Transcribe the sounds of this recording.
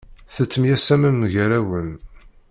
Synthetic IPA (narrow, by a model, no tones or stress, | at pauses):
θət͡sːəmjæsæmənːʝæɾæwən